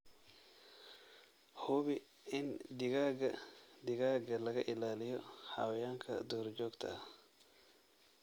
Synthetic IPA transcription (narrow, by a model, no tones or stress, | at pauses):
huβɪ | ɪndɪɡaːɡɐd̪ɪɡaːɡɐlɐɣɐʔɪlaːlɪjɔha̰wɐjaŋkʰɐ̰d̪ɔːɾd͡ʒɔːɡt̪ʰɐ̰